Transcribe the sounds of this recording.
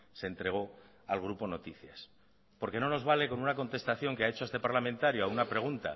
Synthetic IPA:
se̞nt̪ɾe̞ɣ̞o̞ | alɣ̞ɾupo̞no̞t̪iθjas | po̞ɾke̞no̞no̞zβale̞ko̞nunako̞nt̪e̞st̪aθjo̞ŋkeaet͡ʃoest̪e̞paɾlamẽnt̪aɾjoaunapɾe̞ɣ̞unt̪a̰

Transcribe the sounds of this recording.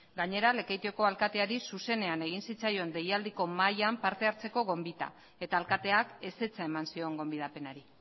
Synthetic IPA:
ɡaɲe̞ɾale̞kejt̪ioko̞alkat̪e̞aɾisuse̞ne̞ane̞ɣ̞insit͡sajo̞nd̪e̞jald̪iko̞majampaɾt̪e̞aɾt͡se̞ko̞ɣo̞mbit̪a̰ | e̞t̪aːlkat̪e̞ake̞se̞t͡sae̞mansio̞ŋɡo̞mbið̞ape̞naɾi

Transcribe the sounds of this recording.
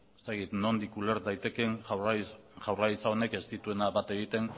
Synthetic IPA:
est̪akit̪no̞nd̪ikuleɾt̪d̪ajt̪e̞keŋ | ʝawraisaone̞ke̞st̪it̪ue̞naβat̪e̞ɣ̞it̪e̞n

